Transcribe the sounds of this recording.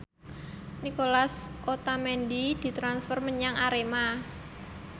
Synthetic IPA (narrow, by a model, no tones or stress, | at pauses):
nikolasʔot̪amɛndid̪̥i̤t̪ɾansfɔrməɲaŋʔaɾema